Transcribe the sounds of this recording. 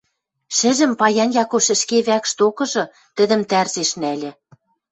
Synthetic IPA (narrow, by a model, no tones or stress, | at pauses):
ʃɘ̆ʒɘ̆mpɑjɑnjɑkoʃɘ̆ʃkeβækʃt̪okɤ̆ʒɤ̆ | t̪ɘ̆d̪ɘ̆mt̪ærzeʃnælʲɘ̆